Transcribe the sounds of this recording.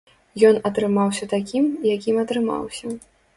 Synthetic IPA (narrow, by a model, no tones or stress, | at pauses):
jɔnɐt̪ɾɨmawsʲɐt̪akʲimjakʲimɐt̪ɾɨma̰wsʲɐ